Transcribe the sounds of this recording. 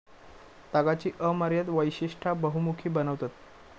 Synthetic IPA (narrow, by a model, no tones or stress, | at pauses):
t̪aɡat͡ɕiːʔəməɾjat̪ʋəjɕiʂʈʰabəɦumukʰiːbənəʋt̪at̪